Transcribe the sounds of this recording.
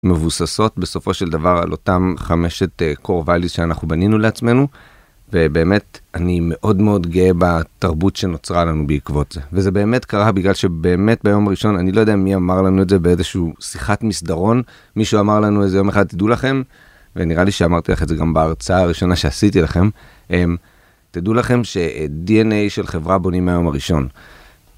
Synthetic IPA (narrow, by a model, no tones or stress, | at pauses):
me̞vusaso̞tbe̞so̞fo̞ʃeld̪avaʁa̰lʔo̞̰tamχame̞ʃe̞tkoʁvalisʃeanaχubaninuleat͡sme̞nu | ve̞be̞ːme̞t̪anime̞ʔo̞dmeo̞dɡeebataʁbutʃe̞no̞t͡sʁalanubeikvo̞tzeveze̞be̞ːme̞tkaʁabiɡlalʃe̞be̞ːme̞t̚bajo̞maʁiʃo̞nanilojodeamiamaʁlanuezebeezeʃuuːsiχatmisdaʁo̞n | miʃuamaʁlanuezejo̞me̞χad̪̚t̪idulaχe̞m | veniʁaliʃeamaʁt̪ilaχezeɡambaːʁt͡saaːʁiʃo̞naʃe̞asitilaχe̞m | ʔem | tidulaχe̞mʃe̞dienejʃe̞lχe̞vʁabo̞nimeajo̞maʁiʃo̞n